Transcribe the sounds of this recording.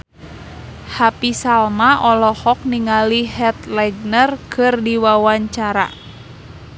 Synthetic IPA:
hapisalmaʔɔlɔhɔk̚niŋalihɛt̪lɛɡ̚nərkʰɨrdiwawaɲt͡ʃaɾa̰

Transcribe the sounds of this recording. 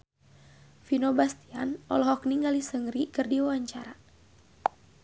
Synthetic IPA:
finobast̪ianɔ̰lɔɦɔk̚niŋɡalisəŋɾikɨrdiwawaɲt͡ʃaɾa

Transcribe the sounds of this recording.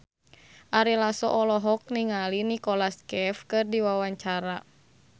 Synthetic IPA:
ʔaɾilasɔ̰ʔɔlɔɦɔk̚niŋalinikɔlaskɛfkɨrdiwawaɲt͡ʃaɾa

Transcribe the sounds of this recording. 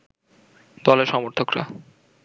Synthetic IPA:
d̪ɔleɾʃɔmoɾt̪ʰokɾa̰

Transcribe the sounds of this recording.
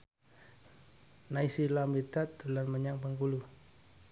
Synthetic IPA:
naisilamid̪at̪̚d̪əlanməɲaŋpəŋkulu

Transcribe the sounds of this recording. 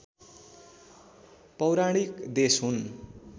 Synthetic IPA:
pʌwɾaɽ̃ikd̪esɦun

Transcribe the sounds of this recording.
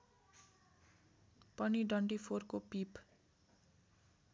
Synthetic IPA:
pʌniɖwʌɳʈipʰorkopip

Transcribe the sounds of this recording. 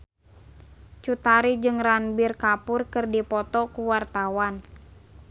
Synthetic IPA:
t͡ʃut̪aɾid͡ʒɨŋranbirkapʊrkɨrdipɔt̪ɔkuwart̪awan

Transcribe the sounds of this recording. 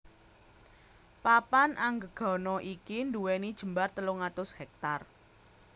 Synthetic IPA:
papanʔaŋɡəɡ̥ɔ̤nɔʔikinduwenid̥ʒ̥ə̤mbart̪əlʊŋat̪ʊshɛk̚t̪ar

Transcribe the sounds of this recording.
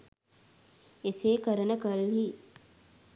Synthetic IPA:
eseːkəɾənəkəlɦi

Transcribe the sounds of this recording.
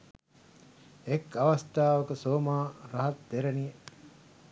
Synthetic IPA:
ekaʋast̪aːʋəkəsoːmaːɾaɦat̪d̪eɾenije

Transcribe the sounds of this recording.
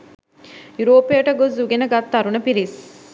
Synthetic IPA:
juɾoːpejəʈəɡozuɡenəɡat̪ːaɾunəpiɾis

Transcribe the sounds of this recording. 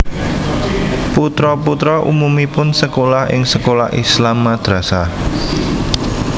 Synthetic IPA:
put̪ɾɔput̪ɾɔʔṵmumipʊnsəkolahɪ̰ŋsəkolahʔḭslamːad̪̥ɾasa

